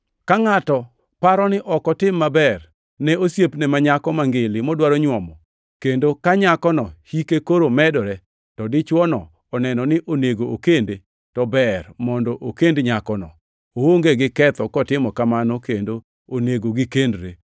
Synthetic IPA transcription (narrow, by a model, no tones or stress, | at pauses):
kaŋatɔ | paɾɔnɪʔɔkɔtɪmːabɛr | nɛosjepnɛmaɲakɔmaŋɡɪlɪmɔdwaɾɔɲwɔmɔ | kendokaɲakɔnɔhikekoɾomɛdɔɾɛ | tɔdɪt͡ʃwɔnɔ | ɔnɛnɔnɪʔoneɡoʔokende | tɔbɛrmɔndɔʔokendɲakɔnɔ | owoŋɡeɡɪkɛt̪ɔkɔtɪmɔkamanɔkendo | oneɡoɡɪkendɾe